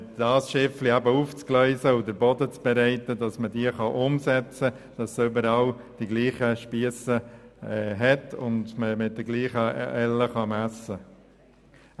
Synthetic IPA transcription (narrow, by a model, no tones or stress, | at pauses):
d̥ɑːsʃɪfliæbəuːft͡sklœʏsəʊdəɾbɔdət͡sb̥ɛɾɛɪtədɑsmədiːəχɑʔʊmsɛt͡sə | d̥ɑsʏbəɾɑl | d̥iɡliːχəʃpiəsə | ɦɛtʰʊndməmɪt̚d̥əɡliːχəɛləχɑmæsə